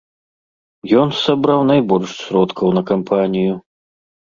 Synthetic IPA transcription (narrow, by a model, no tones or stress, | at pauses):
jɔnsabɾawnajbɔlʲʂsʲɾɔt̪kʰɐwnɐkampʰanʲiju